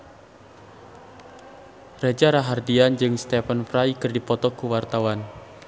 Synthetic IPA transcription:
red͡ʒaɾaɦardiand͡ʒɨŋst̪ɛfənpɾaikɨrdipɔt̪ɔkuwart̪awan

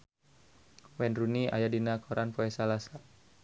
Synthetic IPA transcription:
wɛnruniʔa̰jadinakʰoɾʔanpoɛsalasa

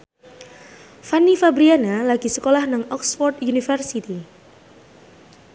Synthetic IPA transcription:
fanifabɾianalaɡ̥i̤səkolahnaŋɔksfɔrt̪junifərsit̪i

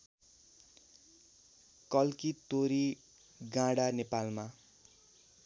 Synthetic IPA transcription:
kʌlkit̪oɾi | ɡãɽanepalma

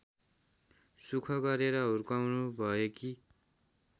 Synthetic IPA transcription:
sukʰʌɡʌɾeɾʌɦuɾkawnubʱʌjeki

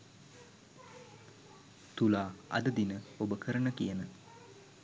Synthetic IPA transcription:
t̪ulaːɐ̰d̪əd̪inəobəkəɾəɳəkijənə

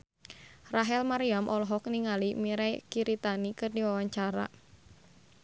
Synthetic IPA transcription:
raɦɛlmaɾiamʔɔlɔɦɔk̚niŋalimiɾajkiɾit̪anikɨrdiwawaɲt͡ʃaɾa̰

